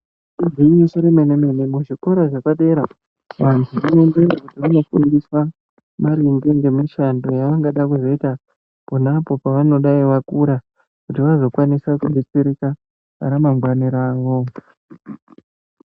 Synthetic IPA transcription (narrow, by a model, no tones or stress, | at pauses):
idiɲiʃoɾemeneme̞nemuʐikoɾaʐakaɗe̞ɾa | ʋantʰuʋunonderakutiʋano̞fundiswa | maɾimdeŋɡe̞miʃando̞jaʋaŋɡaɗakuzo̞ita | ponapo̞paʋano̞ɗaiʋakuɾa | kutiʋazo̞kwanisakuɓet͡seɾika | a̰ɾamaŋɡwaniɾaːʋo